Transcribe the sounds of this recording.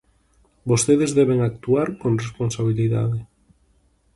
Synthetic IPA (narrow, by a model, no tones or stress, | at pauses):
bost̪eðezðɛβeŋak̚t̪uaɾkonrespõnsaβ̞iliða̰ðe